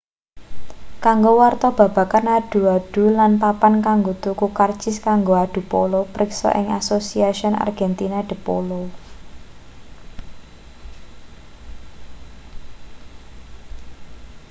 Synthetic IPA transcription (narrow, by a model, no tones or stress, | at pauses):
kaŋɡowart̪ɔb̥ä̤b̥a̤kanaɖ̥ṳaɖ̥ṳlanpapankaŋɡot̪ukukar̥t͡ʃɪskaŋɡoaɖ̥ṳpo̰lopɾɪksɔ̰ʔɪŋa̰sosiaʃiɔna̰rɡ̥ɛnt̪inaɖ̥ə̤po̰lo